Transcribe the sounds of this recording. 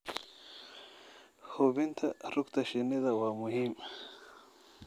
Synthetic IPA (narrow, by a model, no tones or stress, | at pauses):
xobint̪ʰaɾukt̪aɕinid̪awamuɦim